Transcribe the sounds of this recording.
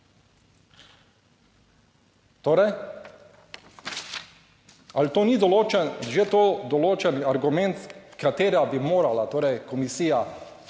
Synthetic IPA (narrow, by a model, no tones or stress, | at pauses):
t̪oːɾɛj | alt̪oːnid̪ɔloːt͡ʃɛʒet̪oːd̪ɔloːt͡ʃɛniaɾɡumɛnt̪kat̪eːɾabimoːɾalat̪oːɾɛjkɔmisiːja